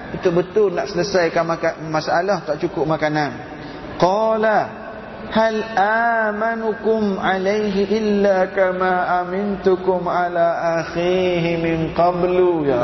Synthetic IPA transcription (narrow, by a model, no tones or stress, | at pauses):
it̪ʊʔ̚bət̪ʊlnaʔsələsajkanmakamasaʔalaht̪aʔt͡ʃukʊʔ̚makanan | qɑːla | halʔaːmanukʊmalajɦiʔɪlːakamaːʔamɪnt̪ʊkʊmʕalaːʔaxiːɦɪmɪnqɑbluja